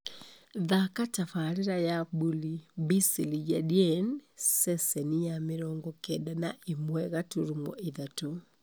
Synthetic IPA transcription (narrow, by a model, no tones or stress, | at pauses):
ðakatafaɾeɾajabulibisilid͡ʒadiɛnsɛsɛnijameɾɔŋɡɔkɛdanaʔimwɛɣatoɾumɔ̰ʔeðato